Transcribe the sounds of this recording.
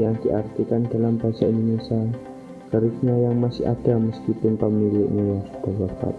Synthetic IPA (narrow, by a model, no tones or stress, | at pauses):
jaŋdiʔart̪ikandalambasaninisan | kəɾɪsɲajaŋmasɪha̰daməskipʊnpamnilɪʔɲajasu̥t̪abapa̰t̪̚